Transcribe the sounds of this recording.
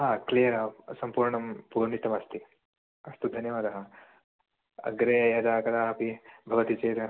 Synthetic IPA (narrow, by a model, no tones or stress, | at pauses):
ɦaːklijɐɾɐsɐmpuːɾɳɐmpuːɾɳit̪ɐmɐst̪ʰi | ɐst̪ud̪ʱɐnjɐʋaːd̪ɐɦɐ | ɐ̰ɡɾejɐd̪aːkɐɾaːɐpibʱɐʋɐt̪it͡ʃeːɾɐ